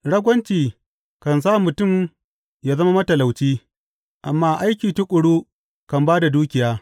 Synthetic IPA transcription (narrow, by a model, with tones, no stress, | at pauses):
ɽɐ˦ɡʷɐ˦nt͡ʃiː˨ | kɐ˨ns̬aː˦˨mʊ˨tʊ˦˨m | jaː˦zɐ˦ma˦mɐ˦tɐ˨la˨wt͡ʃiː˦ | ʔa˨mːaː˦ʔa˦jkʲiː˨tʊ˦kʷʼʊ˨ɽuː˦ | kɐ˨mbaː˦da˨duː˦kʲɪ˨jaː˦